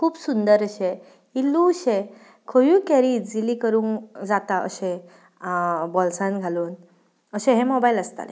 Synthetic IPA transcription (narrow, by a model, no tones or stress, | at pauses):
kʰuːbsund̪əɾəɕẽ | ilːũɕe | kʰojũːkɛɾiːd͡zilikəɾuːŋkd͡zat̪aə̰ɕẽ | bɔlsãnɡʱaluːn | əɕẽɦẽmobailəst̪a̰lḛ